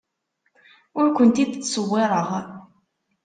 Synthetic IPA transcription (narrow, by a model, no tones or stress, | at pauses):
ʊɾkʷənt̪id̪t͡sːsəwːɪɾˤəʁ